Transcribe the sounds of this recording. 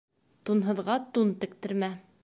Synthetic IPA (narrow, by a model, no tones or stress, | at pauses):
t̪unɦɤ̆ðʁɑt̪unt̪ɘ̆kt̪ɘ̆ɾmæ